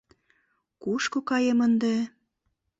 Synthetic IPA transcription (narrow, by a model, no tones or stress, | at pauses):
kuʃkokɑjemənd̪e